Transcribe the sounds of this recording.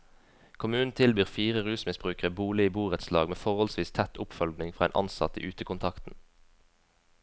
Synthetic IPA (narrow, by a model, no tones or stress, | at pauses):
kʰʊmʉːn̩t̪ʰɪlbiːʁfiːʁəʁʉːsmɪsbʁʉːkəʁəbuːlɪiːbuːʁət̪slɑːɡmeːfɔʁhɔlsʋiːst̪ʰæt̪ʰʊpfœlɡnɪŋfʁɑːḛːnʔɑ̰nsɑ̰t̪əḭːʔʉːt̪əkʊnt̪ʰɑkt̪n̩